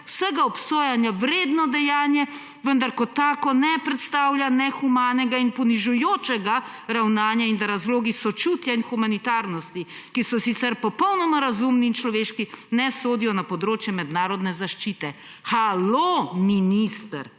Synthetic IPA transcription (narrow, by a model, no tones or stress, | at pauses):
wsəɡaɔpsoːjanjawɾeːd̪nɔd̪ɛjaːnjɛ | ʋənd̪aɾkɔt̪aːkɔnɛpɾɛt̪st̪aːwljanɛxumaːnɛɡainpɔniʒujoːt͡ʃɛɡa | ɾawnaːnjaind̪aɾazloːɡisɔt͡ʃut̪jainxumanit̪aːɾnɔst̪i | kisɔsit̪sɛɾpɔpɔwnɔmaɾazumniːnt͡ʃlɔʋeːʃkinɛsoːd̪ijɔnapɔd̪ɾoːt͡ʃjɛmɛd̪naːɾɔd̪nɛzaʃt͡ʃiːt̪ɛ | xalominist̪əɾ